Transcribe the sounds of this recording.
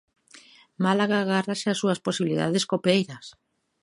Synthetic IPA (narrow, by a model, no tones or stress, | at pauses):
malaɣaːɣaraseasuasposiβiliða̰ðeskopejɾɐs